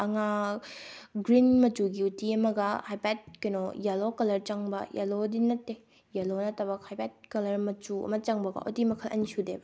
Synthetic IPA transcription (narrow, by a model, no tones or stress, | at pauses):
ɐŋa | ɡɾinmɐtuɡiutiɐmɐɡɐhajpat̚kɐnojalokɐlɐɾt͡ʃɐŋbɐ̰ja̰lodinɐtːe | jalonɐtɐbɐkhajpad̚kɐlɐɾmɐt͡ʃuɐ̰mɐt͡ʃɐŋbɐɡɐ̰ʔutimɐkʰɐlɐ̰nisudebɐ